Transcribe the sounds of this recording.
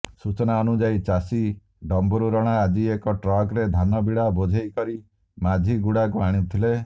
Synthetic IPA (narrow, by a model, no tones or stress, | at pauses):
sut͡ʃɔnaɔnud͡ʒajt͡ʃasi | ɖɔmbɔɾuɾɔɽ̃aːd͡ʒiekɔʈɾɔɡɾed̪ʱanɔbiɽabod͡ʒʱejkɔɾi | mad͡ʒʱiɡuɽakuaɽ̃it̪ʰile